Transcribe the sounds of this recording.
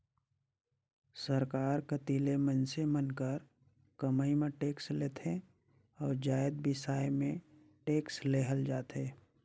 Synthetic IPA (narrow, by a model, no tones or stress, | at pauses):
səɾkaːɾkət̪iːlemə̃nsemənkəɾ | kəmaːimẽʈeːksleːt̪ʰẽ | ɔːɾd͡ʒaːjəd̪̚bɪsaːjmẽ | ʈeːksleɦəld͡ʒaːt̪eː